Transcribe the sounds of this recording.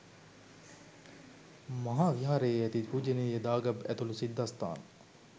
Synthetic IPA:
mɐɦaːʋiɦaːɾejæt̪ipuːd͡ʒenejəd̪aːɡɐbæt̪ulusid̪ːast̪a̰ːn

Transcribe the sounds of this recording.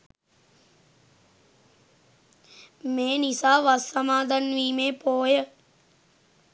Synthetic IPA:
meːnisaːʋasamaːd̪ʱanʋiːmeːpoːjə

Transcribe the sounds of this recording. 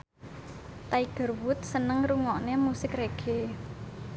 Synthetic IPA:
t̪aiɡ̥ə̤rwʊt̪̚sənəŋruŋɔʔnemusɪkreɡ̥e

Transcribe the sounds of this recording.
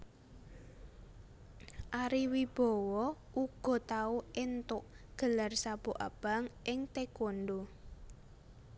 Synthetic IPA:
ʔaɾiwib̥ɔ̤wɔʔuɡ̥ɔ̤t̪auɪnt̪ʊʔ | ɡ̥ə̤larsab̥oʔa̰b̥a̤ŋʔɪŋt̪ekonɖo

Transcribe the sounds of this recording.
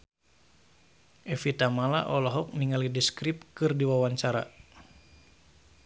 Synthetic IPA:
ʔɛfit̪amalaʔɔlɔɦɔk̚niŋalidiskɾip̚kɨrdiwawaɲt͡ʃaɾa̰

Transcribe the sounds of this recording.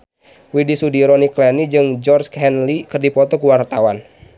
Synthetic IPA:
widisudiɾɔniklɛnid͡ʒɨŋd͡ʒɔrskɛnlikɨrdipɔt̪ɔkuwart̪awan

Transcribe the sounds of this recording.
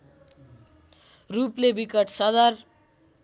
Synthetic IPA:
ruplebikʌʈsʌd̪ʌr

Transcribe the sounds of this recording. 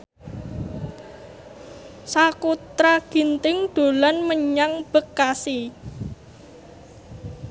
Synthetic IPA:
sakut̪ɾaɡ̥i̤nt̪ɪŋd̪̥o̤lanməɲaŋb̥əkːasi

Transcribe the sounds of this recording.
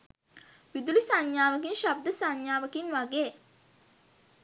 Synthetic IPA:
ʋid̪ulisaɲjaːʋɐk̬inʃab̚d̪əsaɲjaːʋəkinʋaɡeː

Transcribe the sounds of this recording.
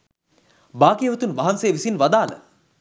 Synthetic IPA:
baːkijəʋɐt̪unʋaɦansejːʋisinʋad̪aːlə̰

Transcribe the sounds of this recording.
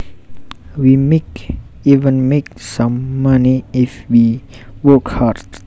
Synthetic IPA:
wimek | ivə̃nmeksãmːaniɪfwi | wɔkhaɹd̥

